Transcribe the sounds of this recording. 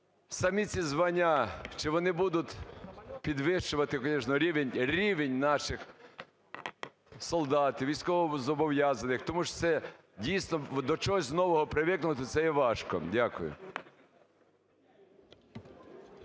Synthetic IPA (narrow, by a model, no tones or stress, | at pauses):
sɐmʲit͡sʲizʋɐnʲːat͡ʃɪʋɔnɪbud̪ʊt̪ʲpʲid̪ʋɪʃt͡ʃʊʋɐt̪ɪkɔnʲɛʃnɔɾʲiʋenʲɾʲiʋenʲnɑʃɪx | sɔlˠd̪ɑt̪ʲɪʋʲijsʲkɔʋɔzɔbɔʋjazɐnɪxt̪ɔmuʃt̪sɛ | dʲijsnɔd̪ɔt͡ʃɔɦɔzʲznɔʋɔɦɔpɾɪʋɪknʊt̪ɪt̪sɛjɛʋɑʃkɔ̰dʲakʊjʊ̰